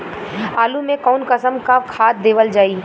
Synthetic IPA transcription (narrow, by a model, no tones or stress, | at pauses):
aːlumẽkɔːnkəsəmkakʰaːt̪̚d̪eːʋəld͡ʒaːiː